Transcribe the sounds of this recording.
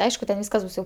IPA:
ˈɐɪʃkʊ tʲɛn ˈʋʲiːskɐs ˈbʊs jɛʊ

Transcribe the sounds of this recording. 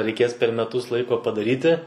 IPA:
rʲɛɪˈkʲeːs pʲɛr mʲɛˈtʊs ˈlˠɐɪkoː pɐdɐˈrʲiːtʲɪ

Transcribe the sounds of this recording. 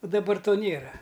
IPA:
ʊ dɐˈbɐr ˈtoː ˈnʲeːrɐ

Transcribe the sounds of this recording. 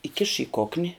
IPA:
iːˈkʲɪʃ ɪ ˈkoːknʲɪ

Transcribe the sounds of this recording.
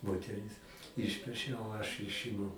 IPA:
moːtʲɛˈrʲɪs ˈɪʃʲpʲɛʃʲɛ oː ɐʃ ˈɪʃʲɪmʊ

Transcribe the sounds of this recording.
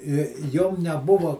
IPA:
ɪ ˈjoːm nʲɛˈbʊʋɐ

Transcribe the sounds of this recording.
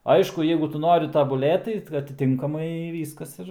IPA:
ˈɐɪʃkʊ ˈjɛɪɡʊ ˈtʊ ˈnoːrʲɪ tɐbʊˈlʲeːt tɐɪ ɐtʲɪˈtʲɪŋkɐmɐɪ ˈʋʲiːskɐs ˈɪr

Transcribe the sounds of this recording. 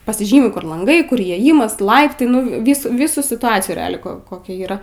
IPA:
pɐsʲɪˈʒʲiːmʲɪ ˈkʊr lˠɐŋˈɡɐɪ ˈkʊr iːeːˈjɪmɐs ˈlˠɐɪptɐɪ ˈnʊ ˈʋʲiːs ˈʋʲiːsuː sʲɪtʊˈɑːt͡sʲɪjuː rʲɛˈɑːlʲɛɪ ˈkoː koːˈkʲɛ iːˈrɐ

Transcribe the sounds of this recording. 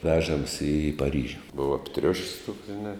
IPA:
ˈʋʲæːʒɐms ɪ pɐˈrʲiːʒʲʊ ˈbʊʋɐ ɐpʲˈtʲrʲʊʃʲsʲ tuɔks ʒʲɪˈnɐ

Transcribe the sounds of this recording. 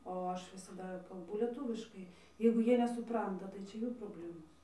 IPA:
oː ˈɐʃ ʋʲɪsɐˈdɐ kɐlˠˈbʊ lʲiɛˈtuːʋʲɪʃkɐɪ jɛɪɡʊ ˈjiɛ nʲɛsʊˈprɐntɐ tɐɪ ˈt͡ʃʲɛ ˈjuː proːˈbʲlʲæːmoːs

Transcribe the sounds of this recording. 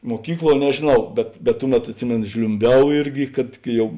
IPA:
muɔˈkʲiːkˌlˠuɔ nʲɛʒʲeːˈnɐʊ ˈbʲɛt bʲɛt ˈtʊˌmʲɛt ɐtʲˈsʲɪmʲeːnʊ ʒʲlʲʊmʲˈbʲɛʊ ˈɪrʲɡʲɪ kɐt kɐɪ ˈjɛʊ

